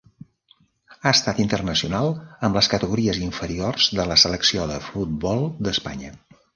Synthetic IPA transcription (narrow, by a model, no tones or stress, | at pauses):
aəst̪at̪int̪ərnəsiunalˠəmləskət̪əɣuɾiəziɱfəɾiorz̥ðələsələksioðəfut̪̚bɔlˠd̪əspa̰ɲə